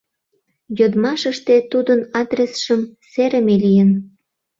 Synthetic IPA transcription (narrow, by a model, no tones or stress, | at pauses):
jod̪mɑʃəʃt̪et̪ud̪ənɑd̪resʃəmseɾəmelijən